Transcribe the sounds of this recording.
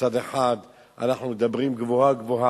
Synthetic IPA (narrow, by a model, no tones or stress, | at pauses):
ad̪eħad̪ | ʔa̰naħnumed̪abʁimɡvohaɡvoɦa